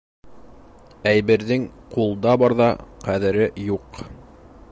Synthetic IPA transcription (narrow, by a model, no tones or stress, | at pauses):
æjβɘ̆ɾðɘŋqulˠd̪ɑbɑɾðɑqæðɘ̆ɾɘjuq